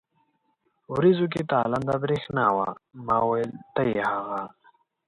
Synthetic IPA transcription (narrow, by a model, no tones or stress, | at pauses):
ɾizuk̬it̪aːlɐnd̪abɾixnaːwa̰mawelt̪ɐjhaɣa